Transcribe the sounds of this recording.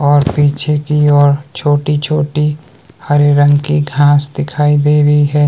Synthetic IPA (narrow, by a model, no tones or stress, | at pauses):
ɔːɾpiːt͡ʃʰekiɔːɾt͡ʃʰoːʈit͡ʃʰoːʈi | həɾeɾə̃ŋɡkiɡʱãːsd̪ɪkʰaːid̪eːɾəɦiɦɛː